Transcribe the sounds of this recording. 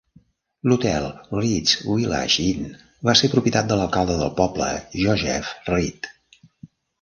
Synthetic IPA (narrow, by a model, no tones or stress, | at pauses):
lut̪ɛlˠrid͡zwila̰ʃin | βasepɾupit̪at̪̚d̪ələlˠkalˠd̪əðə̰lˠpɔblə̰ʒɔzɛ̰frit̪